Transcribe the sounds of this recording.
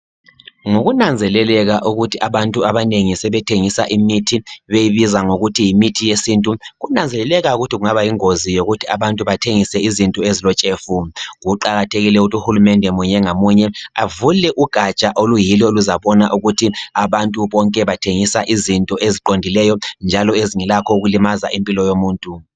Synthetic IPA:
ŋoɣunand͡zʱɛlɛlɛɣaʔuɣutʰiʔaβantʼuaβaneŋisɛβɛtʰeŋisaʔimitʰiβejiβizaŋoɣutʰijimitʰijesintʼuɣunand͡zʱɛlɛlɛɣauɣutʰiɣuŋaβajiŋozijoɣutʰia̰βantʼuβatʰeŋisɛizintʼɔezilɔt͡ʃʼeːfuɣuǃaɣatʰeɣilɛuɣutʰuxulumɛndʱɛmuɲɛŋamuɲɛavulɛʔuɡ̥ʱat͡ʃʼaʔolujilɔoluzaβɔnaʔuɣutʰiaβantʼuβɔŋkʼɛβatʰeŋisaʔizintʼɔʔeziǃondʱilɛjɔnd͡ʒʱalɔeziŋɛlakʰɔuɣulimaza̰ʔimpʼilɔjomuːntʼu

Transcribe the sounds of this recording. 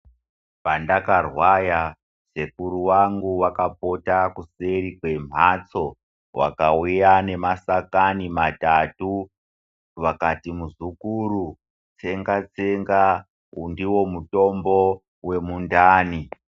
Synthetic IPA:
pandakarwaja | se̞kuɾuwaŋɡuwakapo̞takuse̞ɾikwe̞m̤at͡so̞ | wʔa̰kaujane̞masakanimatatu | ʋakatimuzukuɾu | t͡se̞ŋɡat͡seŋɡa | undiwo̞muto̞mbo̞ | we̞mundaːni

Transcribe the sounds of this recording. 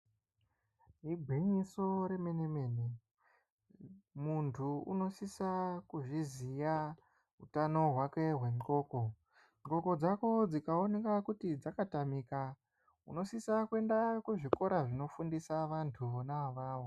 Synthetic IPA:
ɦibʱiɲiso̞ɾeme̞ne̞me̞ːne | muntʰuṵno̞sisakuʐizija | utano̞ɦwake̞ɦwe̞miko̞ːko̞ | mɡo̞ko̞d͡zako̞d͡zikaonekakutid͡zakatamika | ṵno̞sisakwe̞ndakweʐiko̞ɾaʐino̞fundisaʋantʰuonaaʋaːwo̞

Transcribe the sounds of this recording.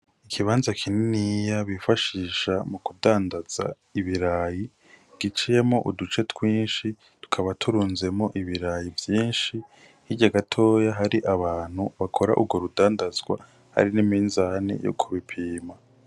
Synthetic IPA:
ikʰiβaːnzakʰininijaβifaʃiːʃamukudaːndaz̥a̰ | iβiɾaːji | ɡ̥it͡ʃije̞moʔṵdut͡ʃe̞tʰwiːnʃi | tu̥kʰaβatʰuɾuːnze̞moʔiβiɾajivjiːnʃi | hiɟaɡatʰo̞ːjaɦaɾiʔaβaːn̥huβakʰo̞ɾa̰ʔuɾɡwo̞ɾudaːndazɡwa̰ | ha̰ɾinimiːnzanḛjo̰kʰuβipʰiːma

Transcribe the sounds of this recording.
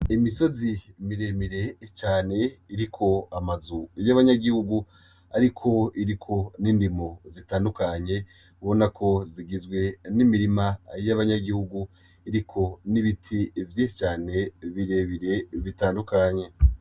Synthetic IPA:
imiso̞zimiɾe̞miɾe̞t͡ʃaːne̞iɾikʰo̞amazujaβaɲaɡihuɡu | aɾikʰo̞iɾikʰo̞niːndimo̞zitaːndukaɲe̞ | βo̞nakʰo̞ziɡizɡwe̞nimiɾimajaβaɲaɡihuɡu | iɾikʰo̞niβitʰivjet͡ʃaːne̞βiɾe̞βiɾe̞βitaːndukaɲe̞

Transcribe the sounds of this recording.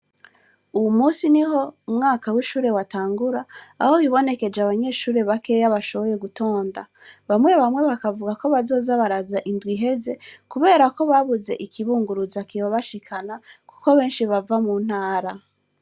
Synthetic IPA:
ujumuːsiniɦo̞umŋaːkawiʃuːɾe̞wataːŋɡuɾaːhowiβo̞ne̞ke̞d͡ʒeaβaɲe̞ːʃuːɾe̞βake̞jaβaʃo̞βo̞je̞ɡuto̞ːnda | βamŋe̞βamŋe̞βakavuɡako̞βazo̞ːzaβaɾazaʔindwiɦe̞ze̞kuβe̞ːɾako̞βaβuze̞̰ʔikʰiβuːŋɡuɾuzakiβaβaʃikʰanaku̥ko̞βe̞ːnʃiβavamuːn̥haːɾa

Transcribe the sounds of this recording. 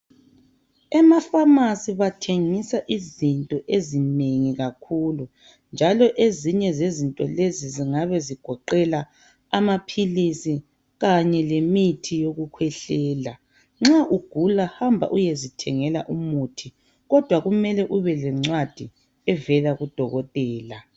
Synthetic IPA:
ɛmafamasiβatʰeŋisaʔizintʼɔʔezineŋiɣakʰuːlu | nd͡ʒʱalɔʔeziɲɛzezintʼɔleziziŋaβɛziɡ̥ʱɔǃɛla | amapʰilisi | ɣaɲɛlemitʰijoɣukʰwɛɬɛːla | ŋ͡ǁaʔuɡ̥ʱulahambʱa̰ʔujezitʰɛŋɛla̰ʔumutʰi | ɣɔd̥ʱwaɣumɛlɛʔuβɛlɛŋ͡ǀwad̥ʱi | ɛvɛlaɣud̥ʱɔɣɔtʼɛːla

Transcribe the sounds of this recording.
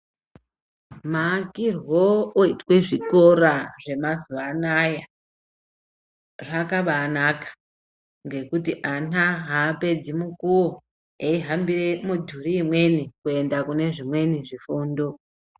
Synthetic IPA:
maːkirwoːitweʐiko̞ɾaʐe̞mazuanaja | ʐakaɓaːnakḁ | ŋɡe̞kutiʔanaɦaːpe̞d͡zimukuwo | eiɦambiremudʱuɾiːmwe̞nikue̞ndakune̞ʐimwe̞niʐifuːndo

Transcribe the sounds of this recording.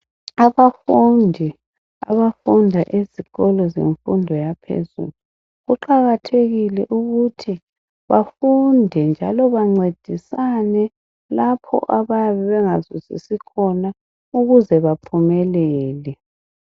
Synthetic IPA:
aβafundʱi | a̰βafundʱaʔeziɣɔlɔzḛɱfundʱɔjapʰḛzṵːlu | ɣuǃaɣatʰeɣilɛʔuɣutʰi | βafundʱɛnd͡ʒʱalɔβaŋ͡ǀed̥ʱisanɛ | lapʰɔ̰ʔaβaβɛβɛŋazuzḭsikʰɔna | uɣuzɛβapʰumɛlɛːlɛ

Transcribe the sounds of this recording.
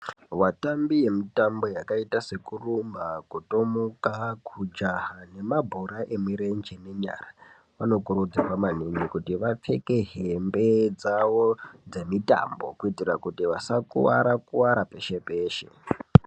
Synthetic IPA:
ʋatambije̞mitambo̞jakaitase̞kurumbakuto̞mukakʰud͡ʒaɦane̞mabʱoɾaʔe̞mwiɾend͡ʒeneɲa̰ra | ʋano̞kuɾud͡zirwamaneɲikutiʋap͡fe̞ke̞ɦembe̞d͡zawod͡ze̞mita̰mbo̞̰kuitirakutiʋasakṵwa̰ɾakuwaɾape̞ʃe̞peːʃe̞̰

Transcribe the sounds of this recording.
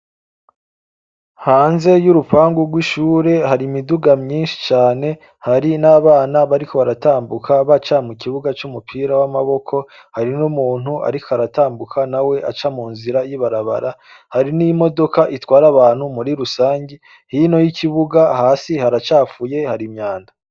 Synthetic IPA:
haːnze̞juɾupaːŋɡuɾɡwiʃuːɾe̞ɦaɾimiduɡamɲiːnʃi̥t͡ʃaːne̞ | haɾinaβaːnaβaɾikʰo̞βaɾataːmbukʰaβat͡ʃamuciβuɡat͡ʃumupʰiːɾawamaβo̞kʰo̞ | haɾinumuːn̥huʔa̰ɾikʰohaɾataːmbukʰanawe̞ʔat͡ʃamuːnziɾajiβaɾaβa̰ɾa | haɾinimo̞do̞kaʔitwaːɾaβaːn̥humuɾiɾusaːɲɟi | hino̞jiciβuɡahaːsihaɾat͡ʃaːfuje̞haɾimɲaːnda

